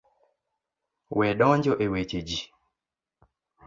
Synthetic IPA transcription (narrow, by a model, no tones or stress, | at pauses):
wɛɗɔɲd͡ʒɔʔewet͡ʃed͡ʒi